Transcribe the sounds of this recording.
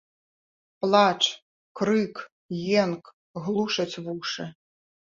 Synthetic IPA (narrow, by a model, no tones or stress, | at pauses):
plˠat͡ʂ | kɾɨk | jɛnk | ɣlˠuʂɐt͡sʲvuʂɨ